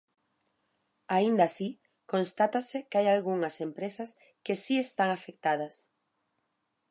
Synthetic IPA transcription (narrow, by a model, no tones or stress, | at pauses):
aind̪asi | konst̪at̪asɪkajalɣuŋɐsempɾesɐs | kesiest̪aŋafek̚t̪að̞ɐs